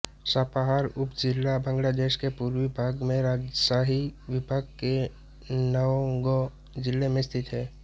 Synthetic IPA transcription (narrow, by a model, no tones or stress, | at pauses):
sapaɦaːɾʊpd͡ʒɪlːabʱə̃ŋɡlad̪eːʃkepuɾʋibʱaːɡmẽɾaːd͡ʒəsaːɦiʋɪbʱaɡ̚ke | nəõɡo | d͡ʒɪlːemẽst̪ʰɪt̪ɦɛː